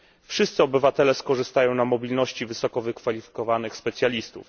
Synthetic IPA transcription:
fʂɘst̪sɘɔbɘvat̪ɛlɛskɔʐɘst̪ajɔ̃w̃namɔbʲilnɔɕt͡ɕivɘsɔkɔvɘkfalʲifʲi̥kɔvanɘxspɛt̪sʲjalʲist̪ṵf

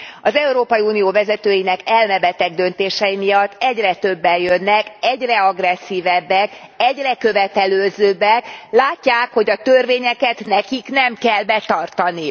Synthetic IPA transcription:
ɒzɛuɾoːpɒjiuːnijoːvɛzɛt̪øːjinɛkɛlmɛbɛt̪ɛɡ̚d̪ø̞nt̪eːʃɛjimijɒt̪ːɛɟrɛt̪ø̞bːɛjø̞nːɛkɛɟrɛɒɡrɛsːiːvɛbːɛkɛɟrɛkø̞vɛt̪ɛløːzøːbːɛklaːcːaːkho̞ɟɒt̪ørveːɲɛkɛt̪nɛkiknɛmkɛlbɛt̪ɒrt̪ɒni

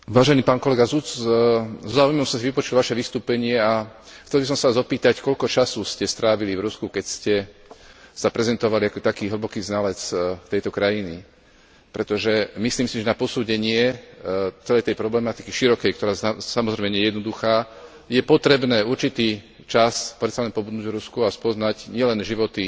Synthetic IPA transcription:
ʋaːʒɛniːpaːnkɔlɛɡazut͡s | zɔzaːujmɔmsɔmsiʋipɔt͡ʃulʋaʃɛʋist̪uːpɛɲɪɛaxt͡sɛlbisɔmsaazɔpiːt̪ackɔʎkɔt͡ʃasuːscɛst̪ɾaːʋilivɾuskukɛcscɛ | sapɾɛzɛnt̪ɔʋaliakɔt̪akiːɦl̩bɔkiːznalɛt͡st̪ɛjt̪ɔkɾajini | pɾɛt̪ɔʒɛmisliːmsiʒɛnapɔsuːɟɛɲɪɛ | t͡sɛlɛjt̪ɛjpɾɔblɛmat̪ikiʃiɾɔkɛjk̚t̪ɔɾaːsamɔzɾɛjmɛɲɛjɛd̪nɔd̪uxaː | jɛpɔt̪ɾɛbnɛːuɾt͡ʃit̪iː | t͡ʃaspɾɛt̪salɛnpɔbud̪nuːɟvɾuskuaspɔznaɟɲɪɛlɛnʒiʋɔt̪i

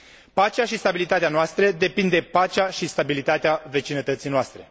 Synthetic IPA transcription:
pat͡ʃeaʃist̪abilit̪at̪eanoast̪ɾəd̪e̞pind̪e̞pat͡ʃeaʃist̪abilit̪at̪eave̞t͡ʃinət̪ət̪sijnoast̪ɾe̞

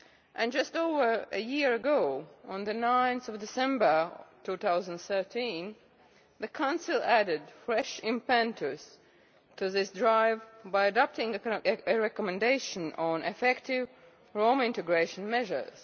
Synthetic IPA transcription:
ʔɨ̃nd͡ʒʌstoʊvə˞ɨjiɹəɡoʊə̃nðɨnãɪ̃nθɔvdɪsɛ̃mbə˞tʰuːθaʊzə̃ndθɜ˞tʰĩn | ðɨkʰãʊ̃nsɪlˠæɾɪdfɹɛʃɪ̃mpæ̃ntʰə˞z̥ | tʰuðɪsdɹaɪvbaɪɨdɑp̚tɪ̃ŋɨɹɛkɔmɨ̃ndeɪʃə̃nə̃nʔɨfɛktɪv | ɹõʊ̃mɪ̃ntɨɡɹeɪʃə̃nmɛʒə̰˞z̥

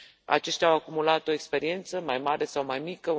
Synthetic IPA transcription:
a̰t͡ʃe̞ʃt̪eawakumulat̪oekspe̞ɾie̞nt̪səmajmaɾe̞sawmajmikə

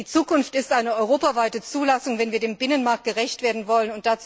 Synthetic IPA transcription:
iːt͡suːkʊnftɪstʔaɪnəɔʏʁ̞oːpavaɪtət͡suːlasʊŋvɛnviːɐdeːmbɪnənmaɐk̚t̚ɡ̥əʁɛçtv̥eːɐdn̩vɔlənʊnt̚d̥at͡s

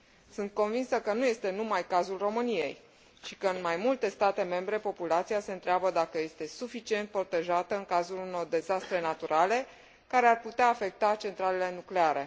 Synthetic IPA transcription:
sɨnt̪̚ko̞nvinsəkənuje̞st̪e̞numajkazulro̞mɨnije̞̰j | ʃi̥kəɨnmajmult̪e̞st̪at̪e̞me̞mbɾe̞po̞pulat̪siase̞ɨnt̪ɾeabəd̪akəje̞st̪e̞sufit͡ʃie̞nt̪̚pɾo̞t̪e̞ʒat̪əɨŋkazuluno̞rd̪e̞zast̪ɾe̞nat̪uɾʔale̞ | kaɾe̞arput̪eaːfe̞k̚t̪at͡ʃe̞nt̪ɾale̞le̞nukle̞aɾe̞

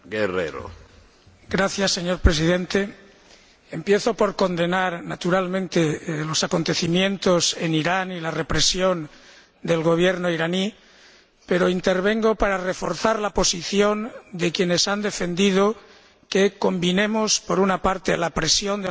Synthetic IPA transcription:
ɡerḛɾo̰ | ɡ̥ɾaθjasːeɲoɾpɾe̞s̬ið̞ẽ̞nt̪e̞ | empje̞θo̞po̞ɾko̞nd̪e̞naɾnat̪uɾalmẽnt̪elo̞sako̞nt̪e̞θimjẽ̞nt̪o̞se̞niɾanilare̞pɾe̞sjo̞n | d̪e̞lɣo̞β̞je̞ɾnoiɾani | peɾoint̪e̞ɾβ̞e̞ŋɡo̞paɾare̞fo̞ɾθaɾlapo̞siθjo̞nd̪e̞kje̞ne̞sand̪e̞fe̞nd̪ið̞o | keko̞mbine̞mospo̞ɾunapaɾt̪elapɾe̞sjo̞nd̪e

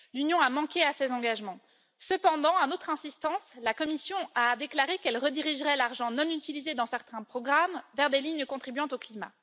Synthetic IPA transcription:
lynjɔ̃amɑ̃keasezɑ̃ɡaʒmɑ̃ | səpɑ̃d̪ɑ̃anot̪χɛ̃sist̪ɑ̃slakɔmisjɔ̃ad̪eklaʁekɛlʁəd̪iʁiʒʁɛlaʁʒɑ̃nɔ̃nyt̪ilized̪ɑ̃sɛʁt̪ɛ̃pχɔɡʁamvɛʁd̪eliɲkɔ̃t̪χibɥɑ̃t̪oklima̰

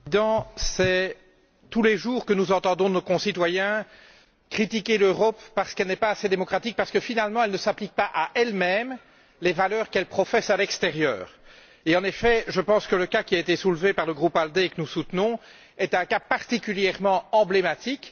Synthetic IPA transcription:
d̪ɑ̃sɛ | t̪uleʒuːʁkənuzɑ̃t̪ɑ̃d̪ɔ̃nokɔ̃sit̪wajɛ̃ | kχit̪ikʲeløʁɔpːaʁsə̥kɛlnɛpaased̪emɔkχat̪ik̚paʁsə̥kəfinalmɑ̃ɛlnəsaplik̚paʔaʔɛlmɛm | levalœːʁkɛlpχɔfɛsalɛkst̪eʁjœ̰ːʁ | eɑ̃nefɛʒəpɑ̃skələkakʲiaet̪esulvepaʁləɡʁupald̪ekənusut̪nɔ̃ | ɛt̪ɛ̃kapaʁt̪ikʲyljɛʁmɑ̃ɑ̃blemat̪ik

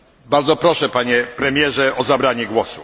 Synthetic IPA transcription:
baɾd̪zɔpɾɔʂɛpaɲɛpɾɛmʲjɛʐɛʔɔzabɾaɲɛɡwɔsṵ

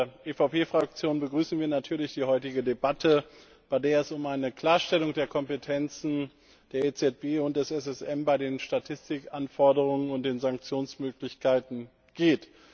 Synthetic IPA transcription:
ɐʔefaʊpeːfʁ̥ak̚t͡sjoːnbəɡʁyːsn̩viːɐnatʰyːɐlɪçd̥iːhɔʏtɪɡədebatʰə | b̥aɪdeːɐɛsʊmaɪnəkl̥aːɐʃtɛlʊŋd̥eːɐkʰɔmpətʰɛnt͡sn̩ | d̥eːɐet͡sɛt̚b̥eːʊnt̚d̥ɛsɛs̬ɛsɛmbaɪdeːnʃtatʰɪstɪkʔanfɔɐdəʁ̞ʊŋənʊnt̚d̥eːnzaŋk̚t͡sjoːnsmøːklɪçkʰaɪtn̩ | ɡ̥eːt

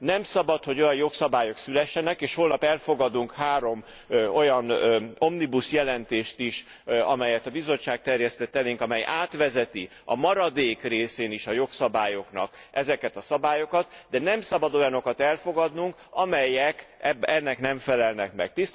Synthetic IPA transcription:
nɛmsɒbɒt̪ho̞ɟo̞jɒnjo̞ksɒbaːjo̞ksylɛʃːɛnɛkeːʃhoːlnɒpɛlfo̞ɡɒd̪uŋkhaːɾo̞m | o̞jɒno̞mnibusjɛlɛnt̪eːʃt̪iʃ | ɒmɛjɛt̪ɒbizo̞t͡ʃːaːk̚t̪ɛrjɛst̪ɛt̪ːɛneːŋkɒmɛjʔaːt̪ʋɛzɛt̪i | ɒ̰mɒɾɒd̪eːkreːseːniʃɒjo̞ksɒbaːjo̞knɒ̰kʔɛzɛkɛt̪ɒsɒbaːjo̞kɒt̪d̪ɛnɛmsɒbɒd̪o̞jɒno̞kɒt̪ɛlfo̞ɡɒd̪nuŋkɒmɛjɛkɛbɛnːɛknɛɱfɛlɛlnɛkmɛ̰k̚t̪ist̪

